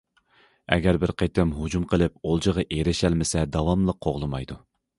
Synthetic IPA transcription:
ɛ̰ɡʲɛɾbɪɾqʰejt̪ʰɪmɦud͡ʒumqʰəlˠɨp̚olˠd͡ʒəʁɑʔeɾɪʃælmɪsɛd̪ɑwɑmlˠəqʰːoʁlˠɨmɑjd̪u

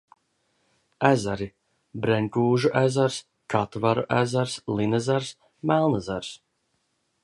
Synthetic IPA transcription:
æzaɾi | bɾɛɲʲkuːʒuʔæzaɾs | kat̪vaɾuʔæ̰zaɾslˠinɛzaɾs | mælˠnazaɾs

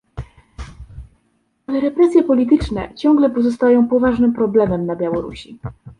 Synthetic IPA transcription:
alɛɾɛpɾɛsʲjɛpɔlʲit̪ɘt͡ʂnɛ̰t͡ɕɔŋɡlɛpɔzɔst̪ajɔ̃w̃pɔvaʐnɘmpɾɔblɛmɛmnabʲjawɔɾṵɕi

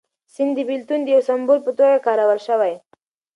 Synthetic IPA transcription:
sɪnd̪d̪əbɪlt̪und̪əjawsambulpət̪oɡakɑɾawalʃəwaj

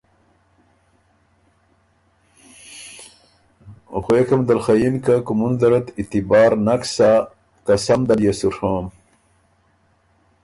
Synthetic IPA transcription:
xwekʰɐmd̪ɐlxɐjinkakumund̪ɐɾɐt̪it̪ibaːɾnɐksa | kɐsɐmd̪ɐljesuʂʰoːm

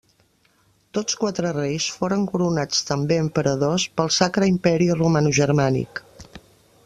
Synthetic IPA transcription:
t̪ot͡skwat̪ɾərejsfoɾəŋkuɾunat͡st̪əmbeəmpəɾəðospəlˠsakɾəimpɛɾirumanuʒəɾmanḭk

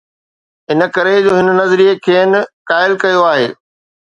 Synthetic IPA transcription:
ɦɪnə̆kɐɾed͡ʑoːɦɪn̆nɐzɾiːekʰeːn̆kaːɪlkɐjoaːɦḛː

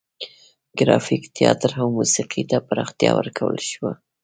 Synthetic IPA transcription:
ɡɾɑfikt̪ʰɪjɑt̪ɾawmusiqʰit̪apaɾɑxt̪jɑwəɾkʰawəlʃwa

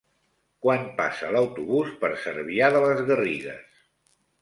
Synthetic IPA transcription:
kwampa̰sələwt̪uβuspəɾsəɾβiaðələzɣəriɣə̰s

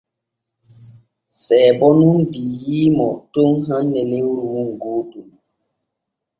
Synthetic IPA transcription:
sɛːbɔnundijiːmɔtoŋɦanːɛneɾuŋ̩ɡotum

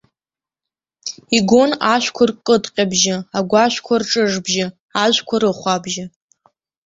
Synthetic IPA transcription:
iɡʷonaʃʷᶣkʷʰʊrkʼɨdʼqʲʼabʒɪaɡʷaʃʷkʷʰarʈ͡ʂʼɨʐbʒɪ | aʒʷkʷʰaɾɨχʷabʒɪ

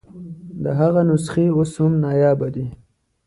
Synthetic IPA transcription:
d̪əɦaɣanʊsχioshʊmnɑjɑːbad̪i

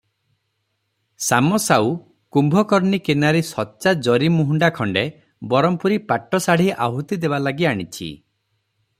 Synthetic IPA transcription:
samɔsaw | kumbʱɔkɔɾnikenaɾesɔːt͡ʃad͡ʒɔɾimuɦuɳɖakʰɔɳɖe | bɔɾɔmpuɾipaʈːɔsaɽ̤iʔa̰ɦut̪id̪ebalaɡiaɽ̃it͡ʃʰḭ

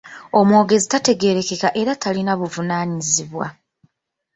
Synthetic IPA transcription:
o̞mwo̞ːɡe̞zitate̞ɡe̞ɾe̞ke̞kaʔe̞ɾatʰalinaβuvunaːɲiziβwa̰

